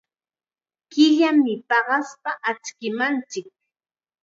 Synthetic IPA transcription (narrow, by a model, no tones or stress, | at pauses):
kɪʎamɪpɑɢɑspaʔat͡ʃkɪmant͡ʃɪk̚